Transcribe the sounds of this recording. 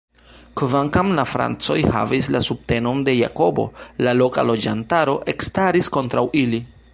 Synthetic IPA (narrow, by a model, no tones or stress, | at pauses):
kvaŋkamlafɾa̰nt͡so̞jha̰vislasub̚te̞no̞nde̞ja̰ko̞bo̞̰lalo̞ka̰lo̞d͡ʒantaɾo̞ʔe̞kstaɾisko̞ntɾawili